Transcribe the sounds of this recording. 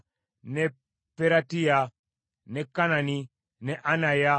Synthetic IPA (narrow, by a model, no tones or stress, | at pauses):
nɛ | pɛɾatija | nɛkanani | nɛʔanaja